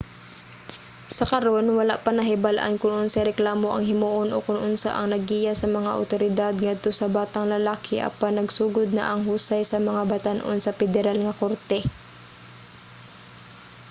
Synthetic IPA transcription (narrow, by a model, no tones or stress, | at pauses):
sɐkɐɾonwɐlaʔpɐnɐɦɪbalʔa̰nkʊnʔonsɐɾɛklaːmo̞ʔɐŋhɪmuːʔonʔokʊnʔʊnsa̰ʔɐŋnɐɡ̚iːjasɐmɐŋaʔɐ̰wt̪oɾɪd̪ad̪̚ŋad̪̚t̪o̞sɐbaːt̪ɐŋlɐlaːkʰɪʔɐ̰panːɐɡsuːɡod̪̚nɐ̰ʔɐŋɦuːsɐjsɐmɐŋabɐt̪anʔo̰nsɐpɛd̪ɛɾalŋɐkoɾt̪ɛ